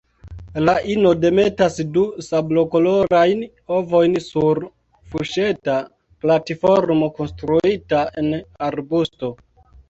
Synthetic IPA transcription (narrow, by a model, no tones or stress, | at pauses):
laʔino̞de̞me̞tasdusablo̞kolo̞ɾajn | o̞vo̞jnsuɾ | fuʃe̞ta | platifo̞ɾmo̞ko̞nstɾuitae̞naɾbusto̞